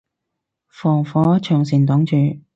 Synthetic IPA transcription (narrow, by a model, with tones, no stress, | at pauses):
fɔː˨˩ŋfɔː˨˥t͡ʃʰœː˨˩ŋsiː˨˩nt̪ɔː˨˥ŋt͡ʃyː˨˩